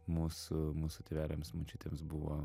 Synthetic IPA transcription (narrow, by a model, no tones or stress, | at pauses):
muːsʊmuːsʊt̪ʲɛʋʲæːlʲemsmʊt͡ʃʲuːt̪ʲeːmsbʊʋo